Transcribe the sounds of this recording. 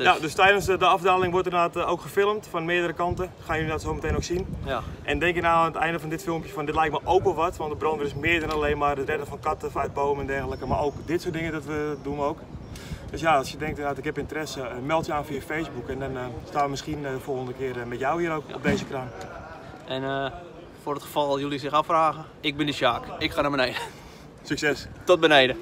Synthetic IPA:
jadøstɛjdənsdəɑfdaːlɪŋʋɔrtərnaːtowkxəfɪlˠəmtfɔnmɪədəɾəkɑntəxaːnjəlinatsowməteːnoksinʔɛndɛŋkɪknaːətɛjndəfɔndɪtfɪlˠmpjəfɔndɪtlɛjk̚tmaʔowkəlˠʋɔtʋɔntdəbrɔntʋədɪsmɪədɔnalejnmaːrətrɛdəfɔnkatəfœt̚boːməɛndɛrɣələkəma̰owkdɪtsoːdɪŋədɔtʋədunowk | d̥øs̬jaɑlˠsjədɛŋktnaːtɪkhɛpɪntərɛsəmɛlˠtjəaːnfiəfejzbukɛndɔnstaːnʋəmɪskindəfolˠxəndəkɪərmɛtjawhiəowkɔb̚dejzəkran | ɛn | fʊrətxəfɔlˠjulˠisɪxafraːɣə | ɪɡ̚bɪndəʃjaːkɪkxanabənejdə | syksɛstɔt̚bənejdə

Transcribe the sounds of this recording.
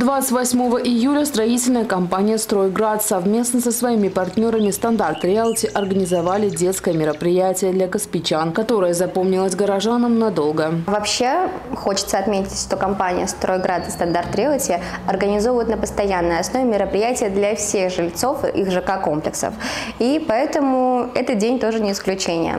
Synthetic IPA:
d̪vat̪sɨ̥tʲvɐsʲmo̞vəʔɪjulʲəst̪ɾɐitʲɪlʲnəjəkɐmpanʲɪjəst̪ɾojɡɾat̪sɐvmʲe̞snəsəsvɐimʲɪpɐrtʲnʲo̞ɾəmʲɪst̪ɐnd̪art̪ɾʲelˠtʲɪʔɐrɡənʲɪzɐvalʲɪdʲe̞t̪skəjəmʲɪɾəpɾʲɪjætʲɪjəd̪lʲɐkəspʲɪt͡ɕankɐt̪o̞ɾəjəzɐpo̞mnʲɪlˠəszʲɡəɾɐʐanəmnɐd̪o̞lˠɡəvɐpɕːe̞ | xo̞t͡ɕɪ̥t̪səɐt̪mʲetʲɪtʲʂt̪okɐmpanʲɪ̰jəst̪ɾojɡɾat̪st̪ɐnd̪art̪ɾʲelˠtʲɪɐrɡənʲɪzo̞vʊjɪt̪nəpəst̪ɐjanːɨjɐsno̞vʲɪmʲɪɾəpɾʲɪjætʲɪjəd̪lʲɐfsʲe̞ɣʐɨlʲt̪so̞fɨʔixʐɨkako̞mplʲɪksə̰f | ipɐɛt̪əmʊɛt̪ət̪̚dʲenʲt̪o̞ʐɨnʲɪɪsklʲʉt͡ɕenʲɪ̰jə̰

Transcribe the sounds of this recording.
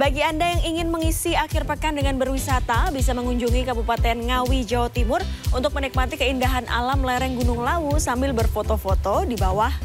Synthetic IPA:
baɡiandajaŋiŋɪnməŋisiakɪrpəkandəŋanbərwisat̪abisaməŋuɲd͡ʒuŋikabupat̪ɛnŋawid͡ʒaot̪imʊrunt̪ʊk̚mənik̚mat̪ikəindaɦanʔa̰lamlɛɾɛŋɡunʊŋlausambɪlbərfot̪ofot̪odibawah

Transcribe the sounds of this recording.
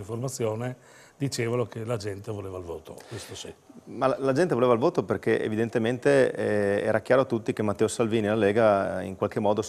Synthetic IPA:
iɱformat̪sːjoːne | d̪it͡ʃeːvanokelad͡ʒɛnt̪evoleːvailvoːt̪o̰kwest̪osimalad͡ʒɛnt̪evoleːvailvoːt̪operkeʔḛvid̪ent̪ement̪eɛ̰ːɾak̟jaːɾoat̪ːut̪ːikemat̪ːɛːosalviːnilalɛːɡaḭŋkwalkemɔːd̪o

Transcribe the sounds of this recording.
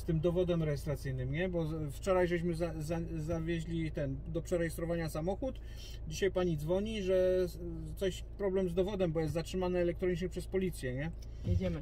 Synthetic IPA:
st̪ɘmd̪ɔvɔd̪ɛmɾɛjɛst̪ɾat̪sɘjnɘmɲɛbɔft͡ʂɔɾajʐɛɕ̬mɘzazazavʲjeʑlʲit̪ɛnd̪ɔpʂɛɾɛjɛst̪ɾɔvaɲasamɔxut̪ | d͡ʑiɕajpaɲid̪zvɔɲiʐɛ | t̪sɔɕ | pɾɔblɛmzd̪ɔvɔd̪ɛmbɔjɛst̪zatʂɘmanɛːlɛk̚t̪ɾɔɲit͡ʂɲɛpʂɛspɔlʲit̪sʲjɛɲɛ | ɲevʲɛmɘ

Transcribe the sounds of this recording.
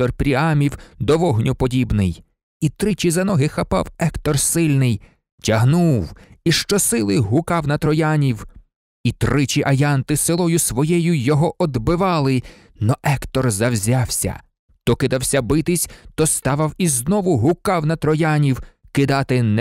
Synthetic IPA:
t̪ɔrpɾʲiɑmʲiwd̪ɔʋɔɦnʲʊpɔdʲibnɪj | it̪ɾɪt͡ʃizɐnɔɦɪxɐpɑ̰wɛkt̪ɔrsɪlʲnɪj | tʲɐɦnuwiʃt͡ʃɔsɪlˠɪɦʊkɑwnɐt̪ɾɔjɑnʲiw | it̪ɾɪt͡ʃʲiʔɐjɑnt̪ɪselˠɔjʊsʋɔjɛjʊjɔɦɔʔɔd̪bɪʋɑlˠɪ | nɔʔɛkt̪ɔrzɐwzʲɑwsʲɐ̰ | t̪ɔkɪd̪ɑwsʲɐbɪt̪ɪsʲt̪ɔst̪ɑʋɐwiznɔʋʊɦʊkɑwnɐt̪ɾɔjɑnʲiw | kɪd̪ɑt̪ɪn

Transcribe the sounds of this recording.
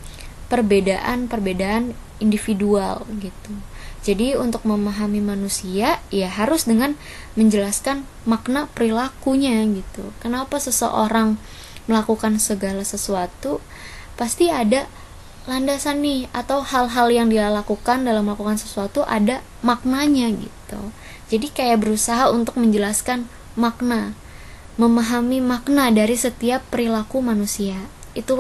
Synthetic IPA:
pərbedaʔa̰npərbedaʔan | indifidua̰lɡit̪ud͡ʒadiunt̪ʊk̚məmaɦamimanusiajaɦaɾʊsdəŋan | məɲd͡ʒəlaskan | maknapəɾilakuɲaɡit̪ṵkənapasəsə̰ʔoɾaŋ | məlakukansəɡalasəsuat̪u | past̪iada | landasanːɪhat̪awhalɦaljaŋdilakukandalaməlakukansəsuat̪uʔada | mak̚naɲaɡḭt̪ṵ | d͡ʒadikajaʔbəɾusaɦaunt̪ʊk̚məɲd͡ʒəlaskan | mak̚na | məmaɦamimaknadaɾisət̪iapːəɾilakumanusia | it̪u

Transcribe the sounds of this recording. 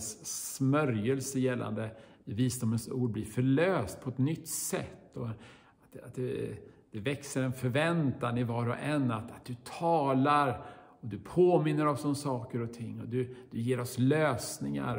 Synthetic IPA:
ssmœɾjəlsəjɛlːa̰nd̪ə | ɛviːsd̪ʊmənsṵːɖ̚bliɾfœɭøːst̪̚pʰɔɛt̪nʏt̪ːsɛ̰t̪ːɔ | at̪a̰t̪̚d̪ɛd̪̥ɛvɛksəɾɛnfœɾvɛnt̪anɪvɑːɾɔ̰ʔɛnːat̪at̪̚d̪̥ɵt̪ʰɑːlaɾ | ɔd̪ɵpʰoːmɪnːəɾɔmsɔmsɑːkəɾɔt̪ʰɪŋːɔd̪ɵd̪̥ɵjeːɾɔsløːsnɪŋa̰ɾ

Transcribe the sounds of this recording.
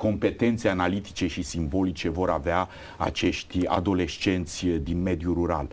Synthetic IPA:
ko̞mpe̞t̪e̞nt̪seanalit̪i̥t͡ʃe̞ʃisimbo̞lit͡ʃe̞vo̞ɾavea | a̰t͡ʃe̞ʃt̪ʲa̰d̪o̞le̞ʃt͡ʃe̞nt̪sʲd̪inme̞d̪juɾuɾa̰l

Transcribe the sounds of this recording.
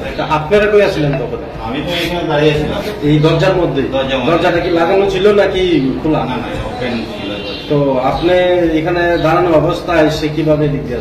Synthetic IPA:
ʔapneɾakoiasʰilent̪ɔkʰɔneamit̪ɔekʰabaɽiasʰila̰ejd̪ɔɾd͡ʒaɾmɔd̪ʱːejd̪ɔd͡ʒad̪ɔɾd͡ʒaʈakilaɡanot͡ʃʰilonakikʰulana | n | l | t̪oapneekʰaned̪aɽ̃anoɔbɔst̪ʰaːjsekibʱabedikɾia

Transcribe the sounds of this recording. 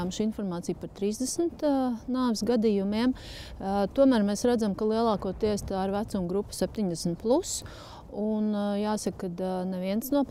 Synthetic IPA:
amʃinfɔɾmaːt̪ijpaɾt̪ɾiːzd̪ɛsnt̪naːʋsɡad̪ijumiɛm | t̪uɔmæːɾmɛːsɾæd̪zamkalˠiɛlˠɑːkuɔt̪iɛst̪aiɾvæt̪sumɡɾupːu̥sɛp̚t̪iɲd̪ɛsn̩t̪̚plˠus | unjaːsɐkːad̪nɛʋiɛnsnuɔp

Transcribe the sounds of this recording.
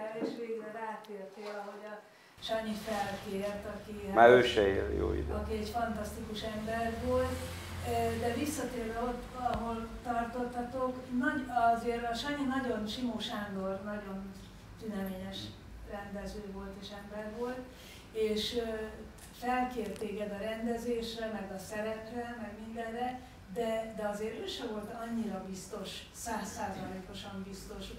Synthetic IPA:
eːʃʋeːɡrɛraːt̪eːrt̪eːlɒɦo̞ɟɒ | ʃɒɲifɛlkeːɛrt̪ɒkimaːɾøːʃɛḛːljo̰ːḭd̪ɒkiɛɟfɒnt̪ɒst̪ikuʃɛmbɛrvoːlt̪ | d̪ɛvisːɒt̪eːrvɛo̞t̪ː | ɒɦo̞lːɒrt̪o̞t̪ːɒt̪o̞knɒɒzeːɾɒʃɒɲinɒɟo̞nʃimoːʃaːnd̪o̞rnɒɟo̞n | t̪ynɛmeːɲɛʃ | rɛnd̪ɛzøːvo̞lt̪eːʃɛmbɛrvo̞lt̪ | eːʃ | fɛlkeːrt̪ːeːɡɛd̪ɒɾɛnd̪ɛzeːʃrɛmɛɡɒsɛɾɛprɛmɛɡmind̪ɛnrɛ | d̪ɛd̪ɛɒzeːɾøːʃɛvo̞lt̪ɒɲːiɾɒbist̪o̞ʃ | saːsːaːzɒleːko̞ʃɒmbist̪o̞ʃ

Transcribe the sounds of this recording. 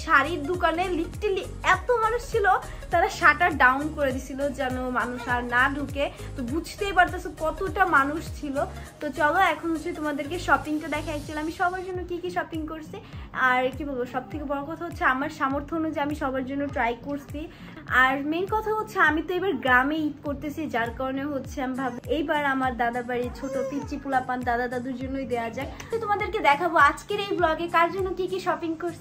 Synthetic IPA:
ʃaɾiɾd̪ukaneliʈeli | ɛt̪omanuʃt͡ɕʰilo | t̪aɾaʃaʈaɖawnkoɾed̪it͡ɕʰilod͡ʑɛnomanuʃaɾnaɖʱuke | t̪obud͡ʑʱt̪ejpaɾt̪asokɔt̪oʈamanuʃt͡ɕʰilot̪ot͡ɕɔloɛkʰonɦot͡ɕʰet̪omad̪eɾkeʃɔpiŋʈad̪ɛkʰaɛkt͡ɕʰiloamiʃɔbaɾd͡ʑonːokikiʃɔpiŋkoɾsʰiaɾekibʱɔlboʃɔb̚t̪ʰekebɔɽokɔt̪ʰaɦotːɕʰeamaɾʃamoɾt̪ʰonod͡ʑeamiʃɔbʱaɾd͡ʑonːoʈɾajkoɾsi | aɾmenkɔt̪ʰaɦot̪ːɕʰeamit̪oebaɾɡɾameikoɾt̪et͡ɕaid͡ʑaɾkɔɾoneoɦotːɕʰeambʱabejbaɾamaɾd̪ad̪abaɾit͡ɕʰoʈopisʈipulapand̪ad̪ad̪ad̪uɾd͡ʑonːojd̪ead͡ʑae | t̪ot̪omad̪eɾked̪ɛkʰaboad͡ʑkeɾejblɔɡekaɾd͡ʑonːokikiʃɔpiŋkoɾsʰ

